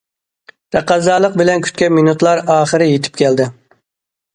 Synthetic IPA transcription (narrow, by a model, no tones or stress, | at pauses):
d̪̥ʰɛqːɑzɑːlˠəq̚bɪlɛnkʲʰy̥t̪̚kʲɛminut̪lˠɑɾɑːχəɾɪjet̪ʰɪ̥pkʲʰɛld̪ɪ